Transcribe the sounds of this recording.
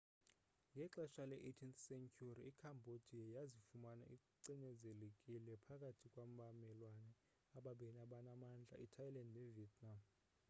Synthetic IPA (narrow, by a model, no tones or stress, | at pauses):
ŋɡʱɛǁɛʃalɛʔetʰinsɛŋkʰʼuriikʰambʱod̥ʱiajazifumana̰ʔiuǀiɲɛzelekʼilɛpʰakʼatʰikʼwamvamɛlwanɛ | aɓaɓɛnaɓanamand͡ɮʱa̰ʔitʰajilandnɛviɛtʰʼnam